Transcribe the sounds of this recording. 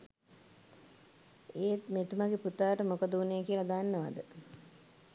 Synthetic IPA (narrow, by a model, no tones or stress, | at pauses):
eːt̪met̪umaɡeput̪aːʈəmokəd̪əuneːkiəlɐd̪anːəʋa̰d̪ə